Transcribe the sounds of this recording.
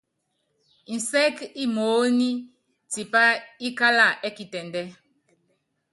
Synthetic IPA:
n̩˨sɛ˦ki˦moː˨˦ni˦ | ti˨pa˦i˦ka˦la˦˨ʔɛ˦ki˨tɛ˨ndɛ˦

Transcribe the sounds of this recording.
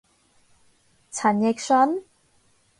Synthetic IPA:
t͡sʰɐ˨˩njɛ˧k̚sɔ˧˥n

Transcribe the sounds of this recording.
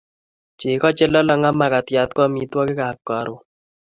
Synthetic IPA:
t͡ʃɪ˨kɔ˦t͡ʃɛ˦lɔ˦la˦ŋa˦ma˦ka˨tja˨t̪kɔ˦mi˨twɔ˦kɪ˦ka˨kːɔ˨ɾʊ˨

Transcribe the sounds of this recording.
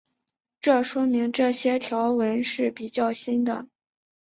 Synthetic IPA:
ʈ͡ʂɤ˥˩ʂwɔ˥mi˧˥ŋʈ͡ʂɤ˥˩ɕjɛ˥t̪ʰjɑ˧˥ʊwə˧˥nʂɻ̩˥˩pi˨˩t͡ɕjɑ˥˩ʊɕi˥nd̪ə̰˨

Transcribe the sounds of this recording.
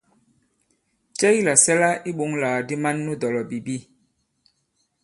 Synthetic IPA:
t͡ʃɛ˦ji˦la˨sɛ˦la˦i˦ɓu˨˦ŋlaː˨di˦ma˦nːu˦dɔ˨lɔ˨bi˨bi˦

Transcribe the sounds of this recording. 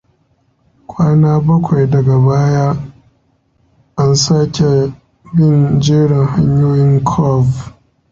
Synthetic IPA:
kʷaː˦naː˦bɐ˦kʷa˨jdɐ˨ɡa˨baː˦jaː˦ | ʔa˦nsaː˦kʲʰe˨ | bɪ˦nd͡ʒeː˦ɽɪ˨ŋha˦ɲjoː˦jɪ˦ŋkʰɔ˦˨v

